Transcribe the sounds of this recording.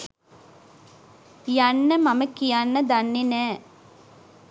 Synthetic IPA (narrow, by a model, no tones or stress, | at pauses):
jɐnːɐmɐmɐkːijɐnːɐd̪ɐnːine